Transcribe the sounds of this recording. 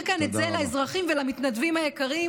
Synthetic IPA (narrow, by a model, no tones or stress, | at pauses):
kanet͡selaezʁaχimvelamit̪nad̪vimajekaʁi